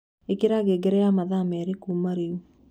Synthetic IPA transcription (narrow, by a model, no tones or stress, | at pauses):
ekeɾaɣeɡɛɾɛamaðamɛɾekumaɾeu